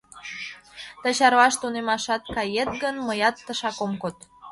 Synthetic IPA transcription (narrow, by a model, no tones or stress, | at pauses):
t̪ət͡ɕɑɾβɑʃt̪unemɑʃɑt̪̚kɑjet̪̚ɡənməjɑt̪ːəʃɑkomkot̪